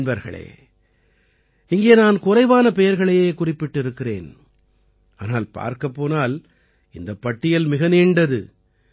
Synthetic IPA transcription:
nbɐɾɣɐ̰ɭḛː | ɪŋɡeːnaːnkʊrɐɪʋaːnɐpɛjɐɾɣɐɭɐjeːkʊrɪpːɪʈːɪɾɯkːɪrḛːn | aːnaːlpa̰ːɾkɐpːoːnaːl | ɪnd̪ɐpːɐʈːɪjɐlmɪɣɐniːɳɖɐðɯ̰

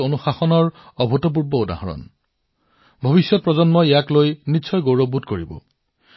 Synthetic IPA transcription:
onuxaxɔnɔɹɔbʱɔtɔp̬uɹbɔoda̰ɦɔɹɔ̰n | bʱɔbisjɔt̚pɹɔzɔnmɔeaklojnitːsʰɔjɡowɹɔbudkoɹibɔ̰

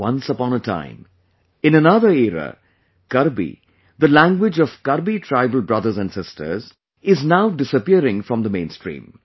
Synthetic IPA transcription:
wʌ̃nsəpɔ̃ːnətʰã̰ɪ̃m | ɪ̃nənʌðəɾɛɾə̰ | kʌɾbḭ | d̪əlæ̃ŋɡwɪd͡ʒɔv̥kʌɾbitʰɾaɪbəlbɹʌd̪əɾzæ̃nɖsɪstə̰˞z | ɪznaʊɖɪsəpiəɾɪ̃ŋfɹɔ̃md̪əmẽɪ̃nstɹḭ̃ːm

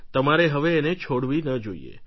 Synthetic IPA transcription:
t̪əmaɾeɦəʋeːnet͡ʃʰoɽʋinəd͡ʒoḭḛ

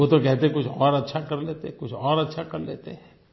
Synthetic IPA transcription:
oːt̪okɛɦt̪eɦɛ̃kʊt͡ʃʰɔːɾɐtːʃʰakɐɾleːt̪eɦɛ̃kʊt͡ʃʰɔːɾɐtːʃʰakɐɾlḛːt̪eɦɛ̃

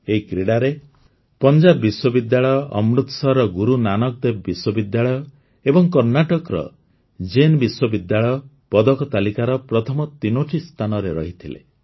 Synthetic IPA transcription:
eikɾeɽaɾe | pɔnd͡ʒabbiswɔbid̪jaɭɔjɔʔɔmɾut̪sɔɾɔɡuɾunanɔk̚d̪ebbiswɔbid̪jaɭɔjɔ | ebɔŋkɔɾnaʈɔkɾɔ̰ | d͡ʒenbiswɔbid̪jaɭɔjɔ | pɔd̪ɔkɔt̪alikaɾɔpɾɔt̪ʰɔmɔt̪inoʈʰist̪ʰanɔɾeɾɔɦit̪ʰilḛ

